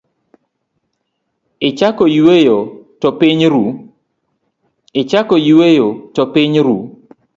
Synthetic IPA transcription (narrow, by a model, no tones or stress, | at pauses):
ɪt͡ʃakɔjuwejotɔpiɲɾu | ɪt͡ʃakɔjuwejotɔpɪɲɾu